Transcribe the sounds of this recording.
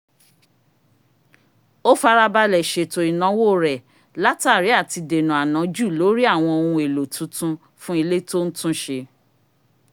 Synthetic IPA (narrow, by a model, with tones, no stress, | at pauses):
o˦fa˧ɾa˦ba˧lɛ˨ʃe˨to˨ɾi˨nã˨˦wo˦˨ɾɛ˨ | la˦ta˦˨ɾi˨˦a˦˨ti˧de˨nũ˨a˨nã˨˦d͡ʒu˦˨lo˨˦ɾi˦a˦˨w̃ɔ̃˧o˨˧ɾũ˧e˨lo˨tʰũ˨˦tũ˦ | fũ˦i˧le˦to˦n̩˦tũ˦ʃe˧